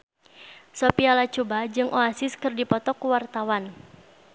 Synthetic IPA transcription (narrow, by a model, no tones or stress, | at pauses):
sopialat͡ʃubad͡ʒɨŋʔoasɪskɨrdipɔt̪ɔkuwart̪awan